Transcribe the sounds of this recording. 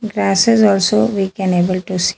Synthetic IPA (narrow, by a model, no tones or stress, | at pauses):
ɡɾaːsɪzɔːlsoʋikɛneːbəlʈus